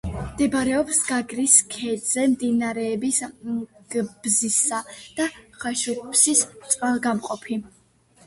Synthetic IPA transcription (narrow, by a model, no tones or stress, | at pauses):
md̪ɛbɾɛɔpsɡ̥aɡɾiskʰɛd̪z̥ɛmd̪inaɾɛːbisɡ̥b̥zisad̪̥aχaʃupʰsist̪sʼqʼalˠɡamqʼɔpʰi